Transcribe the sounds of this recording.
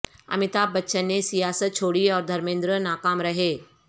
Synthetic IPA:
ɐ̰mɪt̪aːb̚bɐtːʃənːesijaːsət̪̚t͡ʃʰoːɽiɔːɾd̪ʱɐɾmẽːnd̪ɾənaːkaːmɾɐɦeː

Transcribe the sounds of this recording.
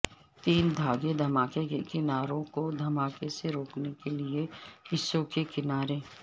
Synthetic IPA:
t̪iːnd̪ʱaːɡed̪ʱɐmaːkekekɪnaːɾõkod̪ʱɐmaːkeseɾoːknekelieɦɪsːokekɪnaːɾeː

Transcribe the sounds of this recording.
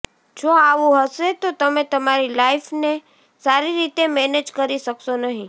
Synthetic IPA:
d͡ʒoaʋũɦəʃet̪ot̪əmẽt̪əmaɾilaifne | saɾiɾit̪emɛned͡ʒkəɾiʃəksonəɦĩ

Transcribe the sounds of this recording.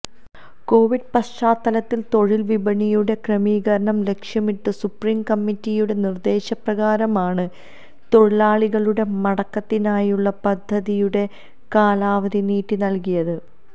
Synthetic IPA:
ko̞ːʋiɖ̚pɐɕt͡ɕaːt̪ːɐlɐt̪ːilt̪o̞ɻilʋibɐɳijuɽe̞krɐmiːɣɐɾɐɳɐmle̞kʂjɐmiʈːɨsupriːmkɐmːitːijuɽe̞nird̪e̞ːɕɐprɐɣaːɾɐmaːɳɨ | t̪o̞ɻilaːɭiɣɐɭuɽe̞mɐɽɐkːɐt̪ːinaːjuɭːɐpɐd̪ʱːɐðijuɽe̞ | kaːlaːʋɐðiniːtːinɐlkijɐðɨ

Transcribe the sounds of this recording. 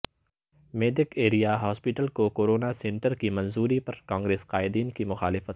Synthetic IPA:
meːɖɪkeːɾijaɦɔːspɪʈəlkokoːɾoːnasẽɳʈəɾkimɐ̃nzuːɾipɐɾkãːŋɡɾeːsqaːɪd̪iːnkimʊxaːlɪfət̪

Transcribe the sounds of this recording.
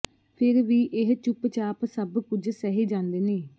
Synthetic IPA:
pʰɪɾʋiːʔɪɦt͡ʃʊpt͡ʃaːpsəbkʊd͡ʒsɛɦeːd͡ʒãːnd̪eːneː

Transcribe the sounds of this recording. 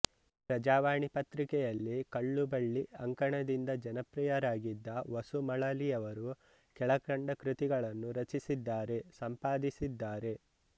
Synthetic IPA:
pɾɐd͡ʒaːʋaːɳipɐt̪ɾikɛjɐlːikɐɭːubɐɭːiɐŋkɐɳɐd̪ind̪ɐd͡ʒɐnɐpɾijɐɾaːɡid̪ːɐʋɐsumɐɭɐlijɐʋɐɾu | kɛɭɐkɾɐɳɖɐkɾut̪iɡɐɭɐnːuɾɐt͡ʃisid̪ːaːɾe̞sɐmpaːd̪isid̪ːaːɾe̞

